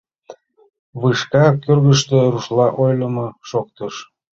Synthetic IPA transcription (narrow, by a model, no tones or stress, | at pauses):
βɯʃkɑkørɣəʃt̪eɾuʃlɑʔojləmoʃok̚t̪əʃ